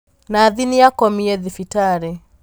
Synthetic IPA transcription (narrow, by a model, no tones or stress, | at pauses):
naːðiniakɔmiɛðifitaɾɛ